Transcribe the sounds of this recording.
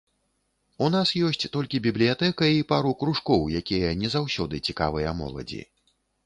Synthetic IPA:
unasjɔsʲt͡sʲt̪ɔlʲkʲibʲiblʲijat̪ɛkɐipaɾukɾuʂkɔwjakʲijɐnʲɛzawsʲɔd̪ɨt͡sʲika̰vɨjɐmɔ̰lˠɐ̰d͡zʲḭ

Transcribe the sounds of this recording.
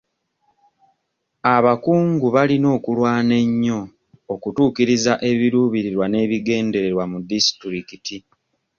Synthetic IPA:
aβakuːŋɡuβalino̞ːkulwaːne̞ɲːo̞ː | kutuːkiɾizaʔe̞βiɾuːβiɾiɾwane̞ːβiɡe̞ːnde̞ɾe̞ɾwamudisi̥tɾikiti

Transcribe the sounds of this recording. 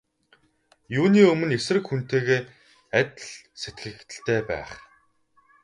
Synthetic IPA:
juːniːɵmɵ̆nesrɘ̆kxun̥t̪eːɣeː | æt̪̆ʲɮset̪ɡɘ̆t̪ɘ̆ɬt̪ʰeːpæ̰ːχ

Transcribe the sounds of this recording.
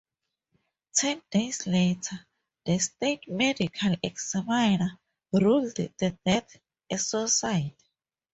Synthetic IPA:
tʰɛ̃ndesletʰa | ðəstetmɛdikʰalɛksamajna | ɹulddədɛt | asosajti̥

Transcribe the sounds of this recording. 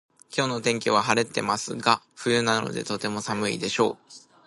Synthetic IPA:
kʲo̞ːno̞t̪ẽ̞ŋkʲiβ̞aɦaɾe̞t̪ːe̞masɨɡa | ɸɯ̟jɯ̟nano̞̰d̪e̞̰t̪o̞t̪e̞mo̞samɯ̟ḭd̪e̞ɕo̞̰ː

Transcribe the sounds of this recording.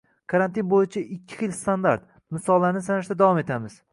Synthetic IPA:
kʰaɾant̪inbojɪt͡ʃʰaʔɪkʲʰːɪ̥χɨlst̪and̪aɾt̪ | mɪsɒlˠːaɾnɪsanɪʃd̪ad̪avɒme̞t̪ʰamɪz̥

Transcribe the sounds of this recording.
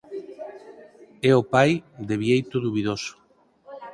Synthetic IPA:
ɛopajd̪eβjejt̪ʊðuβiðoso̥

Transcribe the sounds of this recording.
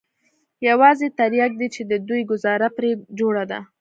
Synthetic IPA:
jawɑzet̪aɾjak̚d̪it͡ʃed̪əd̪ujɡʊzɑɾapɾed͡ʒoɽad̪a̰

